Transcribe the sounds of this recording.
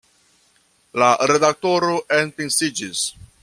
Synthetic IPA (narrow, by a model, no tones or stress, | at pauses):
laɾe̞dak̚to̞ɾo̞ʔe̞npinsid͡ʒis